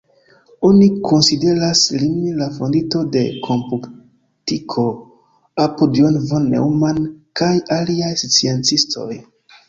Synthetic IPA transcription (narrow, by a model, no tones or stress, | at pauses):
onikʰonside̞ɾaslimlafondito̞de̞kʰompuk | tikʰo̞ | apodionvonːḛwmankajaliajsut͡sient͡sistʰo̞̰j